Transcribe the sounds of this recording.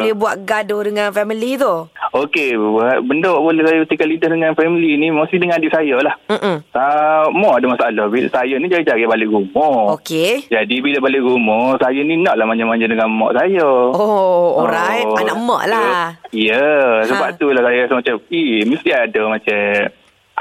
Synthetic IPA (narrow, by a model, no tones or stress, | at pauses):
blɛbuaʔɡadodəŋanfɛmilit̪ookeabəndoʔbolɛhsaɛjbət̪ikalidəhdəŋanfɛmilinimost̪idəŋanadɪʔsajəlah̩samɔʔadəmasaʔalahbisajənid͡ʒaɾid͡ʒaɡibalɪʔɡumɔoked͡ʒadibiləbalɪʔɡumɔsajəninaʔlahmaɲd͡ʒamaɲd͡ʒədəŋanmɔ̰ʔsajəooɾajamɔ̰ʔlaijəsəbaʔt̪ulahsajasamat͡ʃamimist̪iadəmat͡ʃam